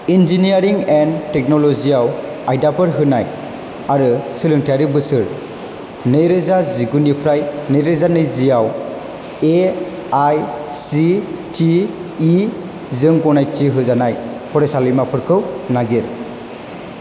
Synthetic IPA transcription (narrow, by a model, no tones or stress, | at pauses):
ind͡ʒiniaɾiŋentɛk̚nɔlɔziaw | ajdapʰɯɾɦɯnaj | aɾɯsɯlɯŋtʰaɾibɯsɯɾ | nɯjɾezaziɡunipʰɾajnɯjɾezanɯjzijaw | e | ajsitʰiː | zɯŋɡɔnajtiɦɯzanaj | pʰɔɾesalɯmapʰɯɾkʰɯwnaɡiɾ